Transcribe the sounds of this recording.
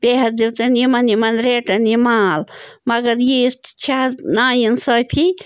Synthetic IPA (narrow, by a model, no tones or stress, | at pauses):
b̥eɦɐsd̪iwt̪enimɐnimanɾeʈɐnimaːlmɐɡɐɾjist̪t͡ʃʰanaːjinsəpʰi